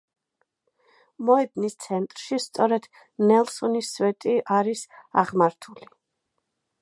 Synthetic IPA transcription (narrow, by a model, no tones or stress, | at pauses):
mɔɛd̪nist̪sʰɛnt̪ʼɾʃist̪sʼɔɾɛd̪̥ | nɛlˠsɔnisvɛt̪ʼiʔaɾisa̰ʁmaɾt̪ʰuli